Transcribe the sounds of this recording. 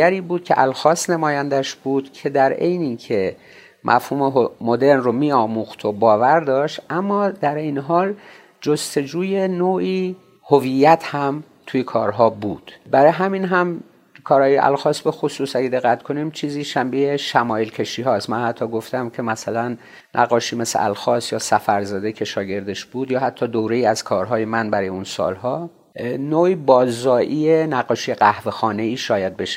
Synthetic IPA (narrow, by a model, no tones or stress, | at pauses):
æɾiːbuːd̪̚kʲʰe̞̰ʔælxɒːsnemɒːjænd̪æʃb̥uːd̪̥kʰe̞d̪æɾe̞jniːcʰe̞ | mʔæ̰fhuːmeɦomo̞d̪e̞ɾnromiːɒːmuːxt̪ʰobɒːvæɾd̪ɒːʃt̪ʔæmːɒːd̪æɾejneɦɒːl | d͡ʒost̪e̞d͡ʒuːjenoːʔiː | ho̞vijːæt̪ʰhæm | t̪ʰujekʰɒ̰ːɾɦɒːbuːd̪̥bæɾɒːjɦæmiːnɦæm | kʰɒːɾhɒːjeʔæ̰lxɒːst̪be̞xosuːsæɡed̪e̞ɣːæt̪kʰo̞nimt͡ʃʰiːziːʃæmbejeʃæmɒːjelkʰe̞ʃiːɦɒːst̪mænhæt̪ʰːɒːɡoft̪æmcʰemæsælænː | ʔæ̰ɣːɒːʃiːmesḛʔæ̰lxɒːst̪jɒːsæfæɾzɒːd̪ecʰe̞ʃɒːɟe̞ɾd̪e̞ʃb̥uːd̪jɒːɦæt̪ʰːɒːd̪owɾe̞iːæz̥kʰɒːɾɦɒːje̞mænbæɾɒːjeunsɒ̰ːlɦɒː | noːʔiːbɒːzɒːʔiːenæɣɒːʃiːjeɢæhvexɒːne̞iːʃɒːjæd̪̚beʃ